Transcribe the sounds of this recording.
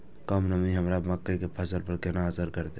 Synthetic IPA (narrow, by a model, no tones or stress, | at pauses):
kəmnəmiɦəmɾaməkːekepʰəsəlpəɾkenaəsəɾkəɾt̪e